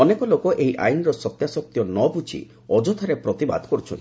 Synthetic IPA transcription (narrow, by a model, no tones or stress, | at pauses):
ɔnekɔlokɔʔeɦiʔa̰jnɔɾɔsɔt̪jasɔk̚t̪jɔnɔbut͡ʃʰḭ | ɔd͡ʒɔt̪ʰɔɾepɾɔt̪iba̰d̪ʱkɔɾut͡ʃʰɔnt̪